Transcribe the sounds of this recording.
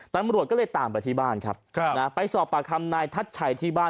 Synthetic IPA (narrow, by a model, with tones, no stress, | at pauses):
t̪a˧mɾu˨˩t̪̚kɔ˥˩lːjt̪aː˨˩mp̬a˧jt̪ʰiː˥˩baː˥˩nkʰa̰˦˥p̚kʰna˦˥pa˧jsɔː˨˩p̚ːaː˨˩k̪ʰa˧mnaː˧jt̪ʰa˦˥t̪̚t͡ɕʰa˨˩˦jt̪ʰiː˥˩baː˥˩